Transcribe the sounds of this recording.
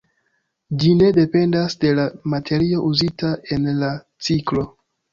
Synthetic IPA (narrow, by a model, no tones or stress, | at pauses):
d͡ʒine̞de̞pe̞ndasde̞lamatʰe̞ɾio̞ʔuzitaʔe̞nla | t͡siklo̞